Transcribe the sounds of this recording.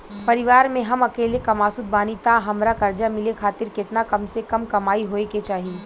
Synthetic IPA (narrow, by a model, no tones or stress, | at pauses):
pɐɾɪʋaːɾmẽɦɐmɐkeːlekɐmaːsʊd̪̚baːnit̪aɦɐmɾakɐɾd͡ʒamɪlekʰaːt̪ɪɾkɪt̪nakɐmsekɐmkɐmaːiɦoːeket͡ʃaːɦieː